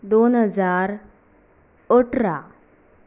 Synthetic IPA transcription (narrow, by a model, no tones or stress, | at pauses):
d̪oːnɦəzaːɾ | oʈɾa